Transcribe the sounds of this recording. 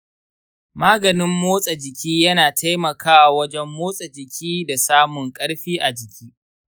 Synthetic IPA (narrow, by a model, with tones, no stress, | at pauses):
maː˦ɡɐ˨nɪ˦mːoː˦sʼa˨d͡ʒɪ˨kʲiː˦jɐ˦naː˨tʰa˦jmɐ˨kʰaː˦˨wɐ˦d͡ʒɛ˦mːoː˦sʼa˨d͡ʒɪ˨kʲʰiː˦da˨saː˦mʊ˨ŋkʼɐ˦ɽɸiː˦ʔa˨d͡ʒɪ˨kʲiː˦